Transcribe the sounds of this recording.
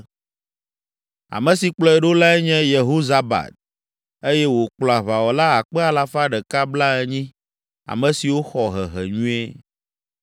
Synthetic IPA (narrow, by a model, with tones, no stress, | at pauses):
a̰˨mɛ̃˨si˨k͡plɔ˦ɛ˨ɖo˦la˦ɛ˦ɲɛ̃˦je˨ɦo˦za˨ba̰˨t̪̚ | e˦jɛ˦wo˨k͡plɔ˨a˨βa˨wɔ˨la˦a˨k͡pɛ˦a˨la˨fa˦ɖɛ˨ka˦bla˦ɛ˦ɲĩ˦ | a̰˨mɛ̃˨si˨wo˦xɔ˨ɦɛ̰˨ɦɛ̰˨ɲũ˦ɛ˦